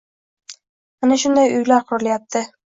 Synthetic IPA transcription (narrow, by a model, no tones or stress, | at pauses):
manaʃʊnd̪ajʊjlaɾqʰʊɾɪlajap̚t̪ʰɪ